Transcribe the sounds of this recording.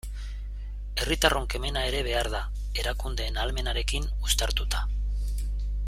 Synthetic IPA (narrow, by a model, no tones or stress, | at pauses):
e̞rit̪aroŋke̞me̞nae̞ɾe̞β̞e̞aɾða | e̞ɾakund̪e̞ːnalme̞naɾe̞kinust̪aɾt̪ut̪ḁ